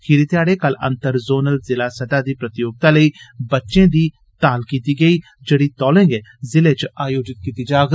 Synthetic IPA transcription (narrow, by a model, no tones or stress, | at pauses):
kʰiːɾit̪jaːɽekɐlɐ̰̃nt̪əɾzoːnəlzɪlaːsɐd̪aːd̪iːpɾɐt̪ɪjoːɡ̚t̪aləiːbɐtːʃẽd̪iː | t̪aːlkiːt̪iɡɐiː | d͡ʒɐɽit̪ɔːlẽːŋɡeːzɪlet͡ʃaːjoːd͡ʒɪt̪̚kiːt̪id͡ʒaːɡ